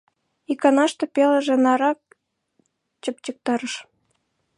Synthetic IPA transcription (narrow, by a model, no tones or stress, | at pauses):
ikɑnɑʃt̪ɤ̆peləʒĕnɑɾɑk̚ | t͡ɕəp̚t͡ɕək̚t̪ɑɾə̆ʃ